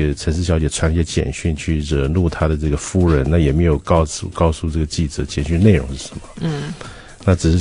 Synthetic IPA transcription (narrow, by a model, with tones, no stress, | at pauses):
t͡sʰə˧˥nʂ̬ɻ̩˥˩ɕjɑ˧˥ʊt͡ɕjɛ˨˩t͡sʰwa˧˥n˥˩ɕɛ˥t͡ɕjɛ̰˨˩nɕy˥˧nt͡ɕʰy˥˩ɻɤ˧˥˩nu˥˩t̪ʰa˥d̪ə˨ʈ͡ʂɤ˥˩ɡə˩fu˥ɻə˧˥nna˥˩jɛ˨˩me˧˥ɪjo˨˩ʊkɑ˥ʊu˥˧kɑ˥ʊsu˥˧ʈ͡ʂɤ˥˩ɡə˩t͡ɕi˥˩ʈ͡ʂɤ˧˥t͡ɕjɛ˨˩nɕy˥˧nne˥˩ɪɻʊ˧˥ŋʂɻ̩˥˩ʂə˧˥nmə˧˩ | na˥˩ʈ͡ʂɻ̩˨˩ʂɻ̩˥˩